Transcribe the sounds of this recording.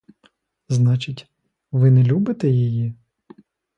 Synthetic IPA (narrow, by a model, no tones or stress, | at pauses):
znɑt͡ʃɪtʲ | ʋɪnɛlʲubɪt̪ɛjiji